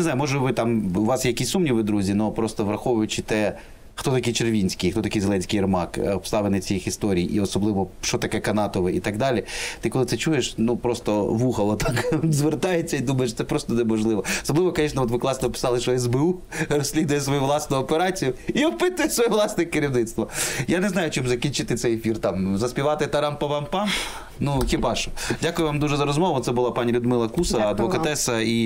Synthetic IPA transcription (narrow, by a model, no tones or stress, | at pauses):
nezɑjʊmɔʒɛʋɪt̪ɑmːʋɑsjɛjɐkisʲsumnʲiʋɪd̪ɾuzʲinɔpɾɔst̪ɔʋɾɐxɔʋʊjʊt͡ʃɪt̪ɛ | xt̪ɔt̪ɐkijt͡ʃerʋʲinʲsʲkɪjxt̪ɔt̪ɐkijzelˠɛnʲsʲkɪjrmɑkɔpst̪ɑʋenɪjt͡sʲijixist̪ɔɾʲijiʔiɔsɔblˠɪʋɔʃt͡ʃɔt̪ɐkɛkɐnɑt̪ɔʋɪit̪ɐɡd̪ɑlʲit̪ɪkɔlˠɪt̪ɛt͡ʃujeʃnupɾɔst̪ɔʋuxɐlˠɔt̪ɑkzʋert̪ɑjet͡sʲːɐid̪umɐjeʃt̪sɛpɾɔst̪ɔnemɔʒlˠɪʋɔɔsɔblˠɪʋɔkɔnʲiʃnɐɔt̪ʋɪklˠɑsnɔpɪ̥sɑlˠɪʃɔɛzbeurɔsʲlʲid̪ʊjɛsʋɔjuʋlˠɑsnʊjʊɔpeɾɑt͡sʲijʊiɔpɪt̪ʊjsʋɔjɛʋlˠɑsnɪkɪɾʲiwnɪt̪st̪ʋɔjaneznɑjʊt͡ʃmzɐkʲinʲt͡ʃɪt̪ɪt̪sɛjefʲirt̪ɑmzɐsʲpʲiʋɑt̪ɪt̪ɐɾɑmpɐʋɑmpɑm | nuxʲibɑʃɔ̥dʲakʊjʊʋamd̪uʒɛzɐɾɔzmɔʋʊt̪sɛbʊlˠapanʲilʲʊd̪mɪlˠɐkusɐɐd̪ʋɔkɐt̪ɛsɐi